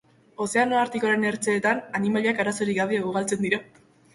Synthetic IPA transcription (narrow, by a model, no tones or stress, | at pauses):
o̞se̞ano̞aɾt̪ikoɾe̞ne̞ɾt͡se̞ːt̪ananimaliakaɾaso̞ɾiɣaβeuɣ̞alt͡se̞nd̪iɾa